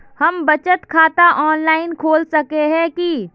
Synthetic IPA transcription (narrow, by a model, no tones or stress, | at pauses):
hɐmbɐt͡ʃət̪kʰaːt̪aʔɔːnlaːɪnkʰoːlsɐkeɦɛ̃ki